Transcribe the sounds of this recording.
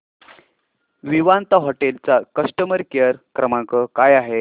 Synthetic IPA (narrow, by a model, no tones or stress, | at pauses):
ʋiʋant̪aɦɔʈelt͡sakəʂʈəməɾkjəɾkɾəmãkəkajaɦe